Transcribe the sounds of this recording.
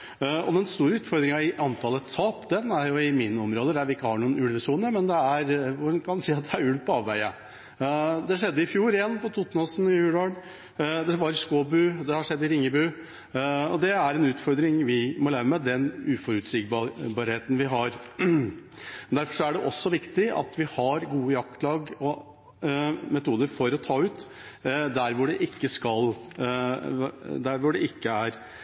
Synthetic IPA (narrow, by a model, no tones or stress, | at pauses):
ɔ̰d̪ɛnst̪uːɾəʉːt̪fɔɾd̪ɾɪŋɑɪʔɑnt̪ʰɑːlət̪ʰɑːpd̪ɛnæɾjʊɪmɪnːəɔmɾoːd̪əd̪æɾʋɪɪkːəhɑɳuːənʉlʋəsuːnəɾmɛnd̪ɛæɾʋʊkʰɑnd̪siːɑt̪̚d̪ɛæɾʉlpʰɔɑːʋʋæɪə | d̪ɛʂɛd̪ːəɪfjuːɾɛnːpɔt̪ʰuːt̪ːnɔsnɪjʉːloːɳ | d̪ɛʋɑːɾəskoːbʉːd̪ɛhɑʂɛd̪ːɪɾɪŋːəbʉː | ɔd̪ɛæɾɛnʉːt̪fɔɾd̪ɾɪŋʋɪmɔlæːɾəmɛd̪ɛnʉːfɔɾʉt̪sɪɡbbɑːɾheːt̪ən̩ʋɪɦɑɾ | mɛnd̪æɾfɔʂɔæɖɛʔɔsːɔʋɪkt̪ɪɑ̰t̪ʋɪhɑɾɡuːəjɑkt̪lɑːɡɔ | mɛt̪uːd̪əɾfɔɾɔt̪ʰɑːʉːt̪ | d̪æɾʋʊɖɛʔɪkːəskɑl | d̪æɾʋʊɖɛɪkːəæɾ